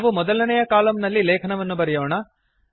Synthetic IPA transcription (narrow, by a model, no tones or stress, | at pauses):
ʋumɔd̪ɐlɐnɛjɐkaːlɐmnɐlːileːkʰɐnɐʋɐnːubɐɾɛjoːɳɐ